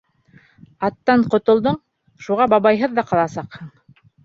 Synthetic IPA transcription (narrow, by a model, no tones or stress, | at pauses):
ɑt̪ːɑɴqŏt̪ŏlˠd̪ɤɴ | ʃuʁɑbɑβɑjɦɤðːɑqɑlˠɑsɑqhɤɴ